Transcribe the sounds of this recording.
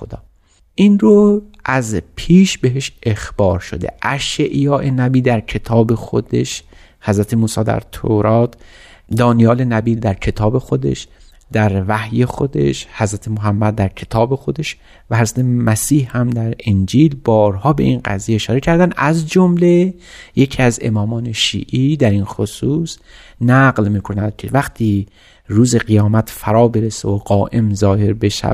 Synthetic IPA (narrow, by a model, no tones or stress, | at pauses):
od̪ɒ̰ː | ʔinɾoʔæzpʰiːʃbe̞ɦeʃʔexb̥ɒːɾʃo̰d̪ḛʔæʃeʔjɒːʔenæbiːd̪æɾcʰe̞t̪ʰɒːbexo̰d̪eʃ | hæzɾæt̪ʰemuːsɒːd̪æ̰ɾt̪ʰoɾɒːt̪ʰ | d̪ɒːnijɒːle̞næbiːld̪æɾcʰe̞t̪ʰɒːbe̞xod̪e̞̰ʃ | d̪̥æɾvæhjexod̪ḛʃhæzɾæt̪ʰemoɦæmːæd̪̚ːæɾcʰe̞t̪ʰɒːbe̞xo̞d̪e̞ʃ | væhæɾzɾæt̪ʰemæsiːhhæmd̪æɾend͡ʒiːlbɒːɾhɒːbe̞̰ʔinɢæ̰zijeːʃɒːɾe̞cʰæɾd̪ænd̪ʔæzd͡ʒomle | je̞cʰiːæze̞̰mɒːmɒːne̞ʃḭːʔiːd̪æɾinxosuːs | næɡlmiːkʰo̞næd̪̥̚cʰevæxt̪ʰiː | ɾuːze̞qejɒːmæt̪ʰfæɾɒːbe̞ɾeseoɡɒːʔe̞mzɒːhe̞ɾbe̞ʃæ̰